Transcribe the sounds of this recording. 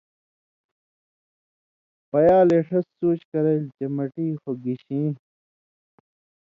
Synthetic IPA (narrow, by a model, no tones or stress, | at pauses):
pɐjaːleːʂʰɐsːuːt͡ɕkɐɾeld͡ʑɐmɐʈiːxoɡiɕĩːn